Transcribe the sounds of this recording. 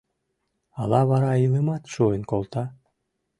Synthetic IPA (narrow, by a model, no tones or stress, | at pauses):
ɑlˠɑβɑɾɑilˠɯmɑt̪ʃuənkolˠt̪ɑ